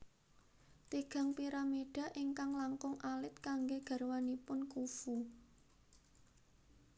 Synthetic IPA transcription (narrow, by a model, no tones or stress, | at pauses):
t̪iɡ̥ä̤ŋpiɾameɖ̥ä̤ʔiŋkaŋlaŋkʊŋʔalɪt̪̚kaŋɡeɡ̥ä̤rwanipʊnkufu